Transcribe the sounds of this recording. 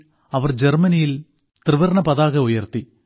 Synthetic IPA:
ɐʋɐrd͡ʑermɐnijil | t̪rɨʋɐrɳɐpɐðaːɣɐujɐrt̪i

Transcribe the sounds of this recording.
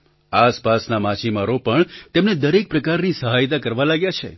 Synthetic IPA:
aspasnamãt͡ʃimaɾopəɳt̪emned̪əɾek̚pɾəkaɾnisəɦajt̪̬akəɾʋalaɡjat͡ʃʰḛ

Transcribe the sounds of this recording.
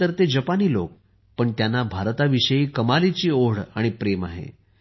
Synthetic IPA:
əɾt̪ed͡ʑəpaniːlo̰k̚ | pəɳt̪janːabʱaɾt̪aʋiɕəjiːkəmalit͡ɕiːoɽaɽ̃ipɾema̰ɦḛ

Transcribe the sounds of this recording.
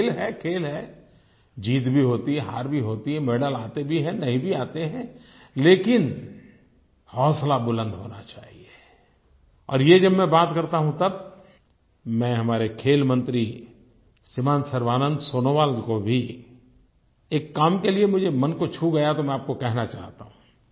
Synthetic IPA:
lɦɛkʰeːlɦɛ | d͡ʒiːt̪bʱiɦoːt̪iɦɛɦa̰ːɾbʱiɦoːt̪iɦɛ̃meːɖəlaːt̪ebʱiɦɛ̃nɐɦĩbʱiaːt̪eɦɛ̃ | leːkɪn | hɔːslabʊlə̃nd̪ɦo̰ːna̰t͡ʃa̰ːɦie | ɔ̰ːɾjed͡ʒɐbmɛ̃baːt̪kɐɾt̪aɦũt̪ɐb̚ | mɛ̃ɦɐmaːɾekʰeːlmə̃nt̪ɾi | sɪmãːnsɐɾʋaːnə̃nd̪soːnoʋaːld̪kobʱi | eːkːaːmkeliemʊd͡ʒʱemɐnkot͡ʃʰuɡɐjat̪omɛ̃aːp̚kokɛɦnat͡ʃa̰ːɦt̪aɦũː

